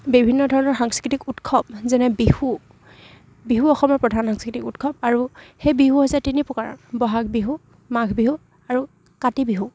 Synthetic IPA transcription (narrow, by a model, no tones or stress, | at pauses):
bibʱinːɔdʱɔɹɔnɔɹxaŋskɹitikutkʰɔb̚zɛnɛbihu | biɦuɔxɔmɔɹpɹɔdʱanxaŋskitikutkʰɔb̚aɹuxejbiɦuɦɔzatinipɔkaɹɔ̰nbɔɦakbiɦu | maɡʰʱbiɦu | aɹu | katibiɦu